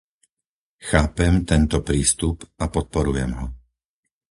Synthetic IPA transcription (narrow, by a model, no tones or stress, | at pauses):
xaːpɛmt̪ɛnt̪ɔpɾiːst̪upapɔt̪̚pɔɾujɛmɦɔ